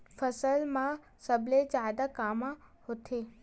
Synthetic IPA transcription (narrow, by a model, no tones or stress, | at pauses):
fəsəlmã | səbled͡ʒaːd̪akaːmahot̪ʰe